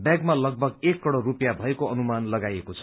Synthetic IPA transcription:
bjaɡmalʌɡ̚bʱʌɡekːʌɽorupjabʱʌekoʌnumanlʌɡajekot͡sʰʌ̥

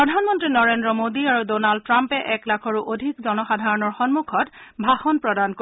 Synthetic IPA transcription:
pɹɔdʱanmɔntɹinɔɹendɹɔmodiaɹudɔnald̚tɹampɛʔɛklakʰɔɹuʔodʱikzɔnɔxadʱaɹɔnɔɹxɔnmukʰɔtbʱaxɔnpɹɔdanko

